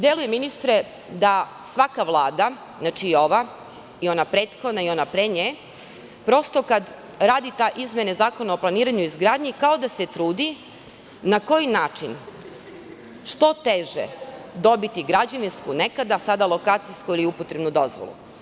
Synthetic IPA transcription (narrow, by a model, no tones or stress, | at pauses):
d̪je̞luje̞minist̪ɾe̞ | d̪a | sʋakaʋlˠaːd̪a | znaːt͡ʃiːo̞ʋa | io̞napɾe̞ːt̪xo̞d̪naio̞napɾeɲe | pɾo̞st̪o̞kad̪ | ɾaːd̪it̪aʔizmjenezaːko̞naoplˠaniːɾaɲuizɡɾaːd̪ɲikao̞d̪ase̞t̪ɾuːd̪i | nako̞jinaːt͡ʃin | ʃt̪o̞t̪eʒḛd̪o̞bit̪iɡɾad͡ʑaʋinskune̞kad̪asad̪alˠo̞kaːt̪sijskuiliupot̪ɾe̞bnud̪o̞̰zʋo̰lṵ